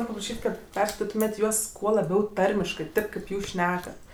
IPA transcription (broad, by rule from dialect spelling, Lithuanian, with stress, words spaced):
ˈnoːrʲ pɐprɐˈʃʲiːtʲ ˈkɐt ˈpʲɛrskɐɪtʲɪtʊmʲeːtʲ ˈjuɔs ˈkuɔ lˠɐˈbʲɛʊ ˈtɐrʲmʲɪʃkɜ ˈtʲeːp kʲeːp ˈjuːs ˈʃʲnʲæːkɐt